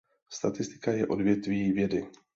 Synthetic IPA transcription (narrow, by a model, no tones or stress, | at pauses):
st̪at̪ɪst̪ɪ̥kajɛʔo̞dvjɛt̪viːvjɛdɪ